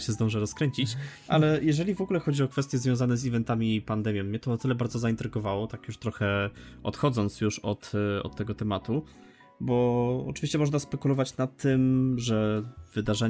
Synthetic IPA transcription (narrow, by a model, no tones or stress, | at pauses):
ɕɛzd̪ɔ̃w̃ʐɛɾɔskɾɛɲt͡ɕit͡ɕʔalɛjɛʐɛlʲivɔɡulɛxɔd͡ʑiɔkfɛst̪ʲjɛzvjɔ̃w̃zanɛzivɛnt̪amʲipand̪ɛmʲjɔ̃mːɲɛt̪ɔnat̪ɘlɛbaɾd̪zɔzaint̪ɾɘɡɔvawɔt̪akjuʂt̪ɾɔxɛɔ̰t̪xɔd̪zɔnt̪sjuʂɔt̪ɔ̰t̪ːɛɡɔt̪ɛmat̪u | bɔɔ̰t͡ʂɨ̥vʲiɕt͡ɕɛmɔʐnaspɛkulɔvat͡ɕnat̪ːɘmʐɛv̥ɘd̪aʐɛ